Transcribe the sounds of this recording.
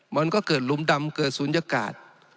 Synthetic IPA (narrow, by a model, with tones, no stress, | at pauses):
mə˨˧˦nkɔ˨˦kɨ˨˩tlu˨˧˦mɗa˧mkəː˧˩su˨˧˦nd͡ʒə˧ka̰ː˨˩t̪̚